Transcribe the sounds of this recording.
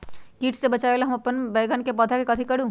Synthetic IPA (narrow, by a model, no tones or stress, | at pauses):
kiːʈʰsebɐt͡ʃaːelaɦɐmɐpːənbeːɡənkepɔːd̪ʰʱakekɐt̪ʰikɐɽũː